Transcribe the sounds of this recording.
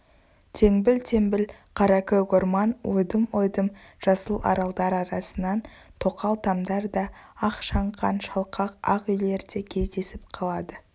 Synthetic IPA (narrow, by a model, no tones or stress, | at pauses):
t̪ʰe̞ŋbɪlt̪ʰe̞ŋbɪl | qʰɑɾɑkʲekoɾmɑnwojd̪əmojd̪əmʒ̥ɑsəlˠɑ̰ɾɑlˠd̪ɑɾɑɾɑsənɑnt̪ʰo̞qɑlˠt̪ʰɑmd̪ɑɾd̪ɑɑqʃɑɴqɑnʃɑlˠqʰɑqɑ̰qʏjle̞ɾd̪e̞kʲʰe̞zd̪e̞sɪp̚qʰɑlˠɑd̪ə